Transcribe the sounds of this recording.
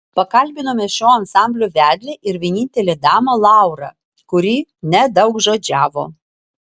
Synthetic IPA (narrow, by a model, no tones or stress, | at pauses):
pɐkɐlʲbʲɪnoːmʲɛʃʲoːɐnsɑˑmʲbʲlʲoːʋʲæːd̪ʲlʲeʔɪɾʋʲiɛnʲɪnʲt̪ʲɛlʲeːd̪ɑːmɐlˠɑˑʊɾɑ̰ | kʊɾʲiːnʲɛd̪ɐʊkʒoːd͡ʒʲæːʋo̰ː